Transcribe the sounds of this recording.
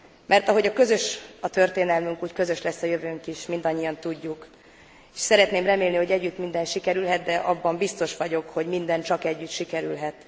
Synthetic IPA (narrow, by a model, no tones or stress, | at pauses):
mɛrt̪ɒɦo̞ɟɒkø̞zøʃɒt̪ø̞rt̪eːnɛlmyŋkuːckø̞zø̞ʃlɛsːɒjøvøːŋkiʃmind̪ɒɲːijɒnt̪uɟːuk | eʃsɛɾɛt̪neːmrɛmeːlniho̞ɟɛɟːyt̪mind̪ɛnʃikɛɾylɦɛt̪d̪ɛʔɒbːɒmbist̪o̞ʃʋɒɟo̞kho̞ɟmind̪ɛnt͡ʃɒkɛɟːyt̪ʃikɛɾy̰lɦɛt̪